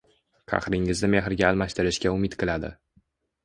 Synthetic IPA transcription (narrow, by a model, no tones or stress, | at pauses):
kʰɑ̰χɾɪŋɪzd̪ɪme̞ɦɪɾɡʲaːlˠmaʃt̪ɪɾɪʃkʲaʊmɪt̪qʰɨlˠad̪ɪ̰